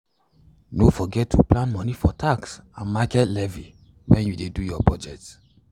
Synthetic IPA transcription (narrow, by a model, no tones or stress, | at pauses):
nofɔɡɛtːuplãnmɔnifɔtʰaksãnmakɛtlɛvi | wɛ̃njudedujɔbɔd͡ʒɛt